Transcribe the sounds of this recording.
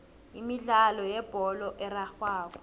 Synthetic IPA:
imiɮalɔjɛb̥ʱɔlɔʔɛraxwaːkɔ̥

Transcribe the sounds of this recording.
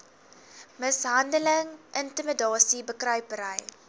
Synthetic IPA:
məsɦɐndələŋʔəntəmədɑːsibəkrœɥpəɾəj

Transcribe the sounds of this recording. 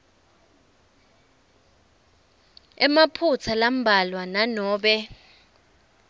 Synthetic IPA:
ɛmapʰut͡sʰalam̩bʱalwananɔːɓɛ

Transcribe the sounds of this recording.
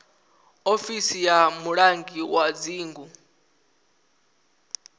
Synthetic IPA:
ofisijamuɺaŋɡiwad͡ziːŋɡu

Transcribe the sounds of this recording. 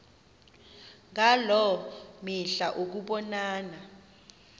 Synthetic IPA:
ŋalɔmiɬaʔok̬uɓɔnaːna

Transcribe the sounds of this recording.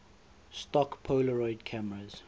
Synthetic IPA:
stɔkpʰoːləɹɔɪdkʰaməɹəz̥

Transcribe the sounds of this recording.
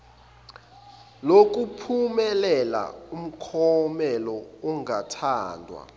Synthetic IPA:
lok̬ʼupʰumɛlɛla̰um̩kʰɔmɛlɔuŋatʰaːndʱwa̰

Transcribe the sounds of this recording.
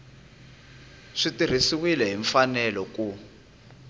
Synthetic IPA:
ʂitir̤isiwilɛɦiɱfanɛlɔku

